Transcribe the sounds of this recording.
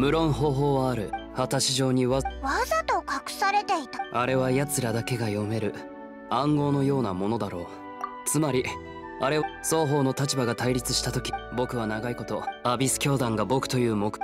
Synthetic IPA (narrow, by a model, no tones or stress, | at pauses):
mɯ̟ɾõ̞ɰ̃ɦo̞ːɦo̞ːβaːɾɯ̟hat̪aɕiʑo̞ːɲ̟iβaβazat̪okakɯ̟̥saɾet̪e̞it̪aaɾe̞β̞ajat͡sɨɾad̪ake̞ɡajo̞me̞ɾɯ̟ | ãŋɡo̞ːno̞jo̞ːnamo̞no̞d̪aɾo̞ː | t͡sɨmaɾʲi | aɾe̞so̞ːɦo̞ːno̞t̪at͡ɕibaɡat̪aiɾʲit͡sɨ̥ɕi̥t̪at̪o̞kʲi̥bo̞kɯ̟β̞anaɡaiko̞t̪o̞abʲisɨ̥kʲo̞ːd̪ãŋɡabo̞kɯ̟̥t̪o̞jɯ̟ːmo̞k